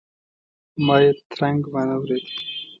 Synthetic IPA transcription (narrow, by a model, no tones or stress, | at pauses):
mɑːjet̪ɾaŋɡmanawɾed̪i̥